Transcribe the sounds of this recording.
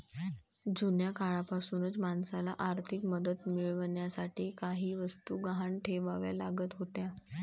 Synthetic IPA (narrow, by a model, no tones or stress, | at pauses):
d͡zunjakʰaɭapasuːnət͡smansala̰ʔaɾt̪ʰikməd̪ət̪miɭʋɳjasaʈʰiːkaɦiːʋəst̪uːɡaɦaɳʈʰeʋaʋja̰laɡət̪ɦot̪ja